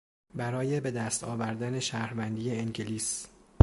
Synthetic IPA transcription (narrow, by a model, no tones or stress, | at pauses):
bæɾɒːje̞be̞d̪æst̪ʰɒ̰ːvæɾd̪æne̞ʃæːhɾvænd̪iːeeŋɟeliːs